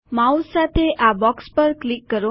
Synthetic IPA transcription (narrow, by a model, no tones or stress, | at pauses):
mausat̪ʰeʔabɔkspəɾklikːəɾo